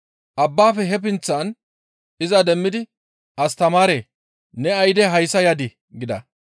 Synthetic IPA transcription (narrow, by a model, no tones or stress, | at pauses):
ʔɐbːaːfɛɦɛp̬ɪnt͡sːan | ɪzɐd̪ɛmːɪd̪ɪ | ʔɐst̪ɐmaːɾeː | nɛɐjd̪ɛɦɐjsɐjɐd̪ɪ | ɡɪd̪ɐ̰